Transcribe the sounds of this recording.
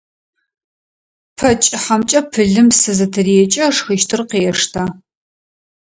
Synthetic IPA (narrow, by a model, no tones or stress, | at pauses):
pʰɐt͡ʃʼɪħamt͡ʃʼɐpʰɨɮɨmsɨzɐtʰɨriɛt͡ʃʼɐʂxiʃtʰɨrqeːɛʂtʰaː